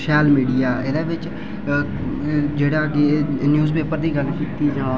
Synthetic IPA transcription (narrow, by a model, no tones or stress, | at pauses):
ʃaːlmiːɖijaːʔɪd̪eːʋɪt͡ʃ | d͡ʒeːɽaːkenjuːzpeːpəɾd̪iːɡəlkiːt̪iːd͡ʒãː